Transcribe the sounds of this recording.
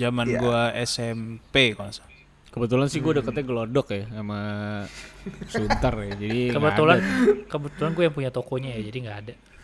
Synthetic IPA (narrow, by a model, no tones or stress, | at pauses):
d͡ʒamanɡuaɛsɛmpekoasḁ | kəbət̪ulansɪhɡuaudəkət̪aɡəlodɔkjasama | sunt̪ərjad͡ʒadikkəbət̪ulankəbət̪ulanɡuajaŋpuɲat̪okoɲajad͡ʒadiŋɡaːda